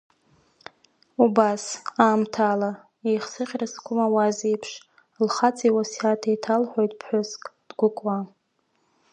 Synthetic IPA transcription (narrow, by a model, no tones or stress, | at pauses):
ubasaːmtʰaːla | ejχsɨχʲraskʷʰʊmawazijpʰʂ | lχat͡sʼiwasatʰejtʰalħʷᶣojtʼpʰħʷʊskʼd̥ɡʷʊkʷʼwa